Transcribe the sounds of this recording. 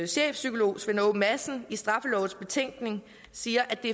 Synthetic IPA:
ɕḛːfsykʰo̝lo̝̰ːsʋenomæsn̩isd̥ʁɑ̈fəlɒ̰ʊð̩ˠsb̥e̝t͡sʰeŋ̰ɡ̥ne̝ŋ | siːɐʔæd̥e̝

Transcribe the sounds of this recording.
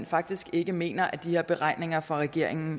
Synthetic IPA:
nfɑ̈ɡ̥̚d̥isɡ̥e̝ɡ̥əme̝̰ːnɐʔæd̥iheɐ̰b̥e̝ʁɑ̈ɪ̰ne̝ŋɐfʁɑ̈ʁɛɡ̥e̝ɐ̰e̝ŋn̩

